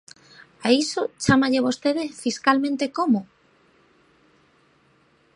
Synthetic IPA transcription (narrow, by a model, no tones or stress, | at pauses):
aisot͡ʃamaʎeβost̪eð̞efiskalmẽnt̪ekomo